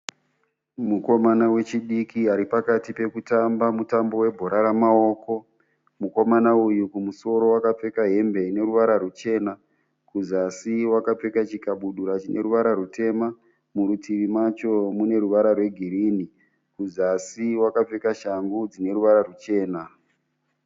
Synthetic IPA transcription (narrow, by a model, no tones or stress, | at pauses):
muko̞manawe̞t͡ʃiɗikiaɾipakatipe̞kutambamutambo̞we̞bʱo̞ɾaɾamao̞ːko̞ | muko̞manaujukumuso̞ɾo̞wakap͡fe̞kaɦe̞mbe̞ine̞ɾuʋaɾarut͡ʃe̞ːna | kuzasiwakap͡fe̞kat͡ʃikaɓuɗuɾat͡ʃinʔe̞̰ɾuʋaɾaɾutʰe̞ma | muɾutʰiʋimat͡ʃo̞mune̞ɾuʋaɾarwe̞ɡʱiɾini | kuzasiwakap͡fe̞kaʃaŋɡud͡zine̞ɾuʋaɾarut͡ʃe̞ːna